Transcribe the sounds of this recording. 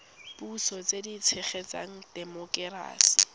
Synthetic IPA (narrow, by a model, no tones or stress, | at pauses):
b̥usɔt͡sʼedit͡sʰɛχet͡sʼa̰ŋ̩d̥ɛmɔkʼɛɾa̰ːsi̥